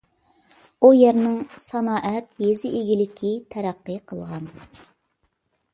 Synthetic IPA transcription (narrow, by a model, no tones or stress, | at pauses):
ujæɾnɪŋsɑnɑːʔɛt̪jezɪʔeɡʲilɪkʲʰit̪ʰæɾæqːəqʰəlˠʁɑn